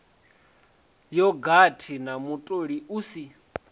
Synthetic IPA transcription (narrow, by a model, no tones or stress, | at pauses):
jɔɡatʰinamutʼoɺiʔusi